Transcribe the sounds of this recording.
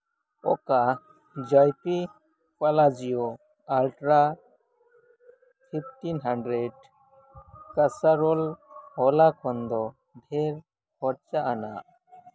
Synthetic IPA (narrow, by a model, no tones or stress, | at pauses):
ɔka | d͡ʒajpi | palad͡ʒijɔ | alʈɾa | pʰipʰʈinɦaɳɖɾeɖ | kasaɾɔlɔlakʰɔnd̪ɔ | bʱɛɾ | hɔɾt͡ʃaʔanaʔ